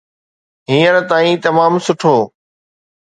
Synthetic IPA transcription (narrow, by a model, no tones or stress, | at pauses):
ɦĩːənt̪aːĩːt̪ɐmaːmsʊʈʰoː